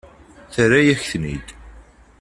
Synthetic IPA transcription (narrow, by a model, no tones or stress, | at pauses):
θəɾæjæçθnḭd̪